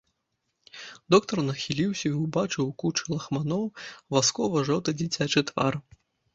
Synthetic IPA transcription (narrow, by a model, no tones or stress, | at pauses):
d̪ɔkt̪ɐrnɐxʲilʲiwsʲɐiwbat͡ʂɨwkut͡ʂɨlˠɐxmanɔwvaskɔvɐʐɔwt̪ɐd͡zʲit͡sʲat͡ʂɨt̪va̰r